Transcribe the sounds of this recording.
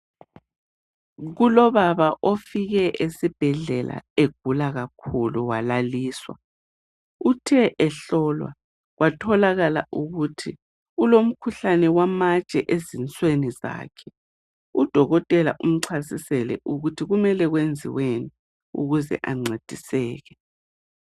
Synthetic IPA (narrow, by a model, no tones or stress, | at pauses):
ɣulɔβaβaʔofiɣɛʔesib̥ʱɛɮɛla̰eɡ̥ʱulaɣakʰuluwalaliːswa̰ | utʰɛʔɛɬɔlwa̰ | ɣwatʰɔlaɣala̰ʔuɣutʰi | ulom̩kʰuɬanɛwamat͡ʃʼɛʔezint͡sʼweniza̰ːkʰɛ̥ | ud̥ʱɔɣɔtʼɛla̰ʔum̩ǀʰasisɛlɛ̰ʔuɣutʰiɣumɛlɛɣwend͡zʱḭweni | ṵɣuzɛ̰ʔaŋ͡ǀed̥ʱisɛːɣɛ